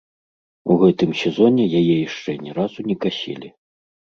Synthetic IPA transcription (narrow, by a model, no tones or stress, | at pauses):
uɣɛt̪ɨmsʲɛzɔnʲɛjajɛjaʂt͡ʂɛnʲɛɾazunʲɛkasʲɛ̰lʲi